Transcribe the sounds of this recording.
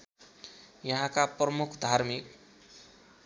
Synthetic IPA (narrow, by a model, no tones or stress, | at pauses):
jʌɦãkaprʌmukʰd̪ʱarmik